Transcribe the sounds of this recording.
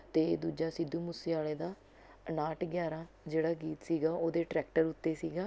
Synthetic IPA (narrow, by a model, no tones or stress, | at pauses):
t̪eːd̪uːd͡ʒaːsɪd̪ːuːmʊseːaːleːd̪aː | naːʈɡjaːɾãː | d͡ʒeːɽaːɡiːt̪siːɡaːoːd̪eːʈɾɛːk̚ʈəɾʊt̪ːeːsiːɡaː